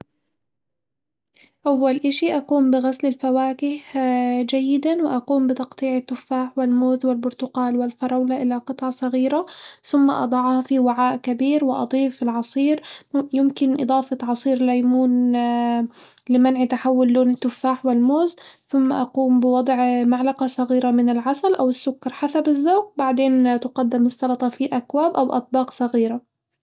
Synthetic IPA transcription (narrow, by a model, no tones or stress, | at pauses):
ʔawːalʔaʃiʔaquːmbɪɣaslɪlfawaːkɪhd͡ʒajːɪd̪anwɪʔaquːmbɪt̪ɑqt̪ˤiːʕat̪ːʊfːaːħwɪlmoːzwɪlbʊɾt̪ʊqɑːlwɪlfɑɾˤɑwlaʔɪlaqɨt̪ˤʕɑsˤɑɣiːɾaθʊmːaʔɑ̰d̪ˤɑʕhɑfiwaʕaːʔkabiːɾwɪʔɑ̰d̪ˤiːfɪlʕɑsˤiːɾjɪmkɪnʔɨ̰d̪ˤɑːfɑt̪ʕɑsˤiːɾlajmuːn | lɪmanʕit̪aħawːʊlːoːnɪt̪ːʊfaːħwɪlmoːzθʊmːa̰ʔɑquːmbɪwɑd̪ˤʕmaʕlaqɑsˤɑɣiːɾamɪnɪlʕasalʔawɪsːʊkːɑɾˤħasabɪzːaːɡbaʕd̪eːnt̪ɪqɑd̪ːɪmɨst̪ːɑlɑt̪ˤɑfiʔakwaːbʔawʔɑt̪̚ˤbɑːqsˤɑɣiːɾa